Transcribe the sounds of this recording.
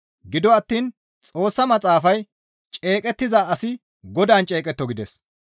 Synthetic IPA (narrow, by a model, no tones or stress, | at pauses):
ɡɪd̪ɔɐt̪ːiːn | t͡sʼo̞ːsːɐmɐt͡sʼaːfɐj | t͡ʃʼe̞ːkʼɛt̪ːɪzaɐsɪ | ɡɔd̪aːnt͡ʃʼe̞ːkʼɛt̪ːɔɡɪd̪ɛs